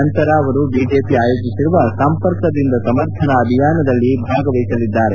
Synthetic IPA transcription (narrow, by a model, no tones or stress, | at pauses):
ɐnt̪ɐɾɐːʋɐɾubiːd͡ʒe̞ːpiaːjoːɡisiɾuʋɐsɐmpɐɾkɐd̪ind̪ɐsɐmɐɾt̪ʰɐnɐːbʱijaːnɐd̪ɐlːibʱaːɡɐʋɐjisɐlid̪ːaːɾe